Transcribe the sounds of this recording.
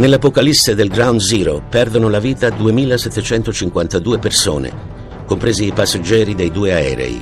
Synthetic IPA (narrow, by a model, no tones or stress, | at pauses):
nelːapokalisːed̪elɡɾawnd̪ziːɾopɛrd̪onolaviːt̪ad̪uemiːlasɛt̪ːet͡ʃɛnt̪ot͡ʃiŋkwant̪ad̪uːeperso̰ːnḛ | kompɾeːziːpasːad͡ʒːɛːɾid̪ejd̪uːeaɛ̰ːɾḛḭ